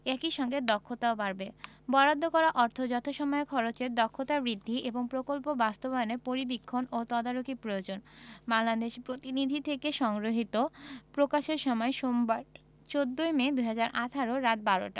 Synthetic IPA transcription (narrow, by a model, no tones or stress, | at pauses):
ɛkiʃɔŋɡed̪ɔkʰːot̪aobaɾbebɔɾad̪ʱːokɔɾaʔɔɾt̪ʰod͡ʑɔt̪ʰoʃɔmɔekʰɔɾot͡ɕeɾd̪ɔkʰːot̪abɾid̪ʱːiʔeboŋpɾokolpobast̪obaonepoɾibikʰːonot̪ɔd̪aɾokipɾojod͡ʑonbaŋlad̪eʃpɾot̪inid̪ʱit̪ʰekeʃɔŋɡɾoɦit̪opɾokaʃeɾʃɔmɔeʃombaɾ | t͡ɕod̪ːojmed̪ujɦad͡ʑaɾʔat̪ʰaɾoɾat̪̚baɾo̰ʈa̰